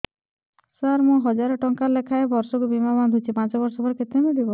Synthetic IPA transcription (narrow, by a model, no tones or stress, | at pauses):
saɾmɔɦɔd͡ʒaɾɔʈɔŋkalekʰaebɔɾsɔkubimaband̪ʱut͡ʃʰipãt͡ʃɔbɔɾsɔbɔɾket̪emilibɔ